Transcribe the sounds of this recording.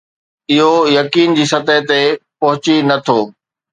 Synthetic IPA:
ɪɦojɐkiːnd͡ʑiːsɐt̪əɦt̪epɐɦʊt͡ɕinɐt̪ʰoː

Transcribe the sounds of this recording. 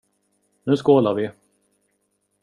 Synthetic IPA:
nʉ̟ːskoːlaɾvɪ

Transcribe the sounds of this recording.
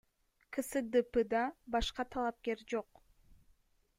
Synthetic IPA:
kʰɨsɨd̪ɨpɨd̪ɑbɑʃqɑt̪ʰɑlˠɑp̚ke̞ɾd͡ʒo̞q

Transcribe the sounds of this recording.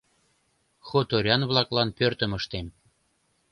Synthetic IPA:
xot̪oɾʲɑnβlɑklɑnpørt̪ə̆məʃt̪em

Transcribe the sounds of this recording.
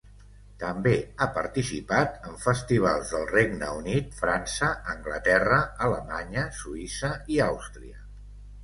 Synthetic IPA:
t̪əmbeapəɾt̪isipat̪əɱfəst̪iβ̞a̰lˠzðəlˠreɡnəunit̪fɾansəːŋɡlət̪ɛrəələmaɲəsuisəiawst̪ɾiə

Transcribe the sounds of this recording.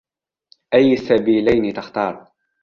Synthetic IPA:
ʔajːasːabiːlajnɪt̪axt̪ɑːɾˤ

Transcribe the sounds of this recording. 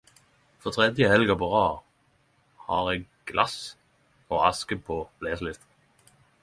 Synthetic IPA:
fɔt̪ʰʁɛd̪jəhɛlɡəpɔʁɑːʁ | hɑʁɛk | ɡ̥lʔɑs | ɔɑskəpʰɔb̥lɛːslɪst̪

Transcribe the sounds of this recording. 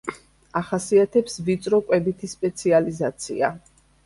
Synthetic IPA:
aχasiat̪ʰɛpsvit̪sʼɾɔkʼwɛbit̪ʰispʼɛt̪sʰializat̪sʰḭa̰

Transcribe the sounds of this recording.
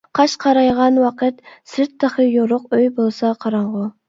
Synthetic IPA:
qʰɑʃqʰɑɾɑjʁɑnwɑqʰət̪̚sɪɾt̪ʰːɑχəjoɾʊqøjbolˠsɑqʰɑɾɑɴʁʊ

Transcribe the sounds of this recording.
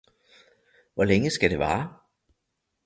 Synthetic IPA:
ʋɒleŋəsɡ̥æd̥e̝ʋɑ̰̈ː

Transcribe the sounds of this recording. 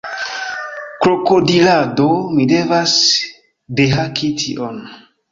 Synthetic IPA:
kɾokodiladomide̞vas | deɦakitʰḭʔon

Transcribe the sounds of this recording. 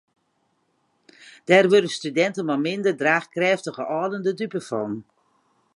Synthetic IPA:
d̥aːrʋødəstydɛntənmɔmɪndərdraːxkrɛːftəɣəʔɔːdəndədypəfɔn

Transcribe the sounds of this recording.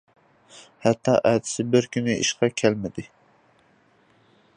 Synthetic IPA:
hɛt̪ʰːɑ̰ʔɛt̪ʰɪ̥sɪbɪɾkʲynɪʔiʃqɑkʲʰɛlmɪd̪ɪ

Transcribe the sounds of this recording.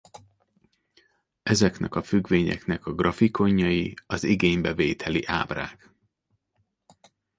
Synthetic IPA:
ɛzɛknɛkɒfyɡveːɲɛ̰knɛkɒɡrʔɒfiko̞ɲːɒjiɒziɡeːɲbɛveːt̪ʰɛliʔa̰ːbra̰ːk

